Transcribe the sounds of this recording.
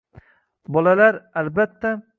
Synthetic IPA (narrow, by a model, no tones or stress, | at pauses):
bɒlalaɾalbat̪ʰːa